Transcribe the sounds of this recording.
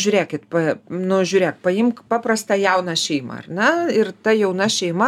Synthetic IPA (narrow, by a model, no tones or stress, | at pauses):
ʒʲʊːɾʲeːkʲɪt̪pɐnʊʒʲʊːɾʲeːkpɐjɪmkpɑːprɐst̪ɑjɛʊnɑʃʲɛɪmɐ̰ɐ̰rnʲɛɪrt̪ɐjɛʊnɐʃʲɛɪmɐ